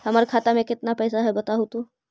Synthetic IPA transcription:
hɐmaɾkʰaːt̪amẽkɪt̪napɛːsaɦɛbɐt̪aɦot̪o

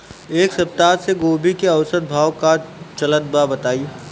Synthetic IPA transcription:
eːksɐp̚t̪aːɾseɡoːbikeɐwsət̪̚bʱaːwkat͡ʃɐlət̪̚babɐt̪aːi

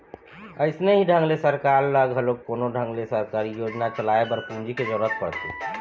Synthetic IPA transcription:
əɪsneɦiɖʱə̃ŋɡlesəɾkaɾləɡɦəlokkonoɖʱə̃ŋɡlesəɾkaɾijod͡ʒnat͡ʃəlaebəɾpũnd͡ʒiked͡ʒəɾət̪̚pəɽt̪ḛ

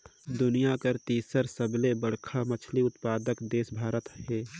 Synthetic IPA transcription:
d̪ʊnijakəɾt̪iːsəɾsəblebəɽ̤kʰamət͡ʃʰliʊt̪paːd̪əkd̪eːsbʱaːɾət̪ɦɛː

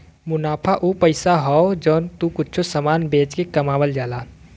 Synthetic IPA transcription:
mʊnaːpʰaʔupəɪsaɦɔod͡ʒɔːnt̪ukʊtːt͡ʃʰosəmaːnbeːt͡ʃkekɐmaːwəld͡ʒaːlaː

